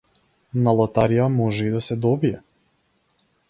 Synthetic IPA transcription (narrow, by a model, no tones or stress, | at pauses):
nalˠɔt̪aɾijamɔʒɛid̪asɛd̪ɔbiɛ